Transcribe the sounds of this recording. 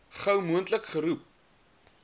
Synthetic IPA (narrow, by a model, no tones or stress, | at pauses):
χəwmuəntləkχəɾup̚